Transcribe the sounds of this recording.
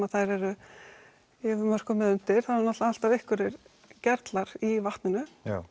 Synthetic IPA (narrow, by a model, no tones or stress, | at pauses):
aðθajɾɛɾʏ | ɪðmœr̥kʏmɛðʏn̥t̪ɪɾ̥θaðɾnɔt̪laal̥t̪avɪhkvʏɾɪɾ | cɛɾt̪laɾ̥ivaht̪nɪnʏ